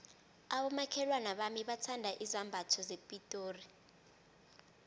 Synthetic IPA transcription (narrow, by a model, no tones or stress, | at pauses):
aɓɔmakʰɛlwanaɓamiɓatʰandʱaʔizambʱatʰɔzepʼitʼoːri